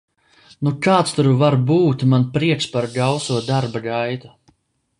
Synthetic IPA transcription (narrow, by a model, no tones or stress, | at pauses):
nukaːt̪st̪uɾvaɾbuːt̪manpɾiɛkʃpaɾɡawsuɔd̪aɾbaɡajt̪u̥